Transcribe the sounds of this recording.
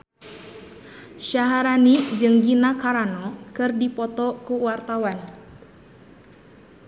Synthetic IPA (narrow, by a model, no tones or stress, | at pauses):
ʃaɦaɾanid͡ʒɨŋɡinakaɾanɔkɨrdipɔt̪ɔkuwart̪awan